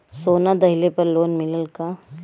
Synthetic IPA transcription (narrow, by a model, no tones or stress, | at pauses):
soːnad̪ɐɦɪlepɐɾloːnmɪləlka